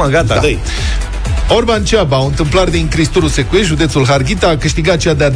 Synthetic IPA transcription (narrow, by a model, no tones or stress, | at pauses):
aɡat̪aɨj | o̞rbant͡ʃabaɨnt̪ɨmplard̪iŋkɾist̪uɾuse̞kujeʒud̪e̞t̪sulɦarɡʲit̪aːkɨʃt̪iɡat̪̚t͡ʃead̪ead̪